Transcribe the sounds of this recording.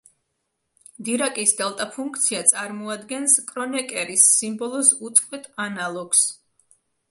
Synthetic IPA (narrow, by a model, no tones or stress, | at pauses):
d̪iɾakʼisd̪ɛlˠt̪ʼapʰuŋk̚ʰt̪sʰiat̪sʼaɾmɔad̪ɡɛnskʼɾɔnɛkʼɛɾisːimbɔlˠɔsut̪sʼqʼwɛt̪ʼʰanalˠɔɡ̥s